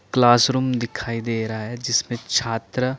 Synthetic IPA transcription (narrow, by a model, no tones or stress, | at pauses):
klaːsɾuːmd̪ɪkʰaːid̪eːɾɐɦaɦɛd͡ʒɪsmẽt͡ʃʰaːt̪ɾə